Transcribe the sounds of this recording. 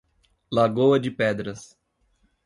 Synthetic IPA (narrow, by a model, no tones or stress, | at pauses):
laɡowɐd͡ʒɪpɛd̪ɾɐs